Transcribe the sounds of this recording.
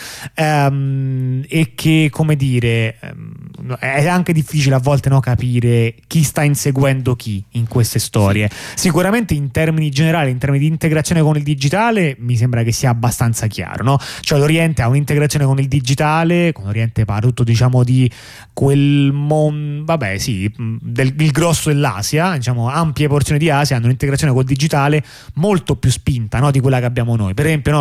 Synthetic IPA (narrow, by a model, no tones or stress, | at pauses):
ɛm | ekʰːekʰːomed̪iːɾḛ | ɛaŋk̟ed̪ifːiːt͡ʃileavːɔlt̪enɔkːapiːɾek̟ist̪ainseɡwɛnd̪ok̟iiŋkwest̪est̪ɔːɾjesikuɾament̪eint̪ɛrminid͡ʒeneɾaːlint̪ɛɾminid̪iːnt̪eɡɾat̪sjonekonild̪id͡ʒit̪aːlemis̬embɾak̟esːiːaːbːast̪ant̪sakja̰ːɾo̰nɔt͡ʃoɛloɾjɛnt̪eaunint̪eɡɾat̪sjonekonild̪id͡ʒit̪aːlekonloɾjɛnt̪epa̰ɾet̪ut̪ːod̪it͡ʃaːmod̪i | kwelmonvabːɛ̰sid̪elilɡɾɔsːod̪elːa̰ːzjad̪it͡ʃaːmoampjeport̪sjonid̪iaːsjaanːunint̪eɡɾat̪ːjonekoild̪id͡ʒit̪aːle | molt̪opjuspint̪anɔd̪ik̬welːakeabːjaːmonojpeɾezɛmpjonɔ